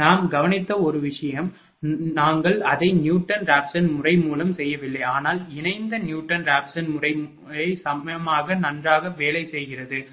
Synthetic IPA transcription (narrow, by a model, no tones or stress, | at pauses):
naːmɡɐʋɐnɪt̪ːɐɔɾɯʋɪʂɐjɐm | naːŋɡɐɭɐðɐɪnjuːʈːɐnɾaːpsɐnmʊrɐɪmuːlɐmsɛjːɐʋɪlːɐɪaːnaːlɪnɐɪnd̪ɐnjuːʈːɐnɾaːpsɐnmʊrɐɪ | ɐɪsɐmɐjɐmaːɣɐnɐndraːɣɐʋeːlɐɪsɛjɣɪrɐðɯ